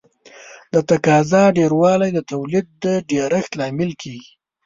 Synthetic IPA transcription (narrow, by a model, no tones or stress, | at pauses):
d̪ət̪akɑzɑɖeɾwɑlajd̪ət̪awlid̪̚ːəɖeɾaxt̪lɑmɪlkʰeɡi